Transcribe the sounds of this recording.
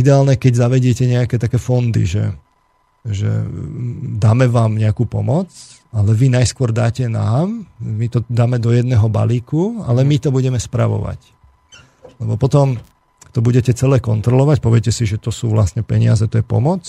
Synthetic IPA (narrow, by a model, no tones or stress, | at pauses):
id̪ɛaːlɲɛkɛɟzaʋɛɟɪɛcɛɲɛakɛːt̪akɛːfɔnd̪ḭʒɛ̰ | ʒɛ̰ | d̪aːmɛʋaːmɲɛakuːpɔ̰mɔt͡s | alɛʋinajskʊɔɾd̪aːcɛna̰ːmmit̪ɔd̪aːmɛd̪ɔjɛd̪nɛːɦɔba̰liːkua̰lɛmit̪ɔbuɟɛmɛspɾaʋɔ̰ʋa̰c | lɛbɔpɔt̪ɔm | t̪ɔbuɟɛcɛt͡sɛlɛːkɔnt̪ɾɔlɔʋacpɔʋɛcɛsiʒɛt̪ɔsuːʋla̰sɲɛpɛɲɪazɛt̪ɔjɛpɔ̰mɔt͡s